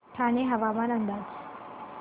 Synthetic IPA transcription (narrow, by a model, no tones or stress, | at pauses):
tʰaːneɦɐʋaːbanɐnd̪a